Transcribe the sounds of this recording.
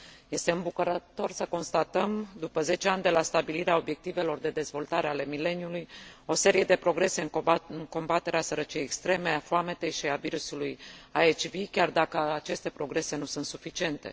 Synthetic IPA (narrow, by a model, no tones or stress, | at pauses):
je̞st̪e̞ɨmbukəɾət̪o̞rsəko̞nst̪at̪əmd̪upəze̞t͡ʃe̞anʲd̪e̞last̪abiliɾeao̞bje̞k̚t̪ive̞lo̞rd̪e̞d̪e̞zvo̞lt̪aɾeale̞mile̞njulujo̞se̞ɾije̞d̪e̞pɾo̞ɡɾe̞se̞ɨŋɨŋko̞mbat̪e̞ɾeasəɾət͡ʃijejekst̪ɾe̞me̞afloame̞t̪e̞jʃiaviɾusulujaet͡ʃvikʲard̪akəat͡ʃe̞st̪e̞pɾo̞ɡɾe̞se̞nusunt̪sufit͡ʃie̞nt̪e̞̰